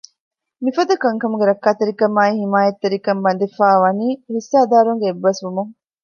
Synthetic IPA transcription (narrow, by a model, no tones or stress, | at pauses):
mifɐd̪ɐkɐŋkɐmuɡeɾɐkːaːt̪eɾikɐmaːiɦimaːjɐt̪ːeɾikɐmbɐnd̪ifaːʋɐniːɦisːaːd̪aːɾuŋɡeːbːɐsʋumuŋ